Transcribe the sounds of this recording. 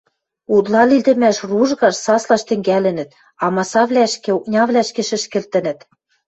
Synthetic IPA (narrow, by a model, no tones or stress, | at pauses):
ud̪lˠɑlild̪ɘ̆mæʃruʒɣɑʃsɑslɑʃt̪ɘ̆ŋɡælɘ̆nɘ̆t̪̚ | ɑmɑsɑβlæʃkĕuknʲɑβlæʃkĕʃɘ̆ʃkɘ̆lt̪ɘ̆nɘ̆t̪